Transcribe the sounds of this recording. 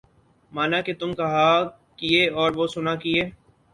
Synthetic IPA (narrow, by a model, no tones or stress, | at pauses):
maːnaket̪ʊmkɐɦa | kijeɔːɾʋosʊnakieː